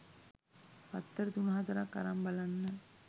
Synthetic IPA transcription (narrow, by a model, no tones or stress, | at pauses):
pat̪ːəɾət̪unɐɦat̪ɐɾakːa̰ɾambalanːə